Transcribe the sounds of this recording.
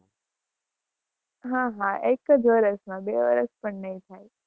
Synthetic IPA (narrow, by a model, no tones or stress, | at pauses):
ɦãɦãʔekəd͡ʒʋəɾəsmãbeːʋəɾəspəɳnəɦĩt̪ʰaːe